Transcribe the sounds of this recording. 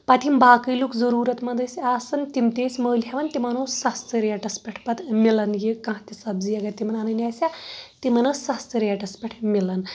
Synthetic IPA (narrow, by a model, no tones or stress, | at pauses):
pat̪imbaːkəjlukzəɾuːɾɐt̪mɐd̪əsaːsɐnt̪imt̪eːsʲməːlɦaʋɐnt̪imɐnoːsɐst̪əɾjaʈɐspʲɐʈʰpɐt̪milɐnjekãɦt̪isɐbzijɐɡɐt̪imɐnanɐnʲasʲat̪imɐnɐsɐst̪əɾjaʈɐspʲɐʈʰmilɐn